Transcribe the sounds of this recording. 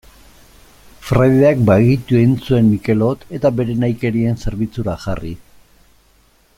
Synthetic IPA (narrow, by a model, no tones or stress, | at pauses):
fɾajðe̞ak̚baɣit̪ue̞nt͡sue̞nmike̞lo̞t̪e̞t̪abe̞ɾe̞najke̞ɾie̞nse̞ɾβit͡suɾaʝari